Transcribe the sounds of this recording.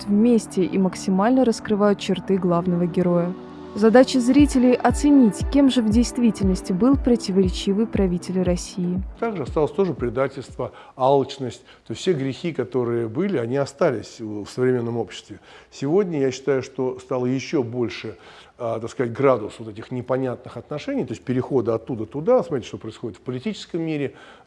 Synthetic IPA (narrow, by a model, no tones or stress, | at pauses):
t̪vmʲesʲtʲɪʔiməksʲɪmalʲnəɾəskɾɨvajʊt̪̚t͡ɕɪrt̪ɨɡlˠavnəvəɡʲɪɾo̞jə | zɐd̪at͡ɕɪzɾʲitʲɪlʲɪjʔɐt̪sɨnʲitʲkʲe̞mʐɨvdʲɪjst̪vʲitʲɪlʲnəsʲtʲɪbɨlˠpɾətʲɪvəɾʲɪt͡ɕivɨjpɾɐvʲitʲɪlʲrɐsʲijɪt̪aɡʐɨɐst̪alˠəsʲt̪o̞ʐɨpɾʲɪd̪atʲɪlʲst̪vəalˠt͡ɕnəsʲtʲt̪osʲtʲsʲeɡɾʲɪxʲikɐt̪o̞ɾɨjəbɨlʲɪɐnʲiɐst̪alʲɪsʲfsəvɾʲɪmʲe̞nːəmo̞pɕːɪ̥st̪vʲɪsʲɪvo̞dʲnʲəjaɕːɪ̥t̪ajʊʂt̪o̞st̪alˠəjɪɕːobo̞lʲʂɨ | ət̪akskɐzat̚ʲɡɾad̪ʊsvot̪ɛtʲɪxnʲɪpɐnʲat̪̚nɨxɐt̪nɐʂɛnʲɪijt̪o̞ɪsʲt̚ʲpʲɪɾʲɪxo̞d̪əɐt̪ːud̪ət̪ʊd̪asmɐt̪ɾʲitʲɪʂt̪o̞pɾəɪsxo̞dʲɪt̪fpəlʲɪtʲit͡ɕɪ̥skəmːʲiɾʲɪ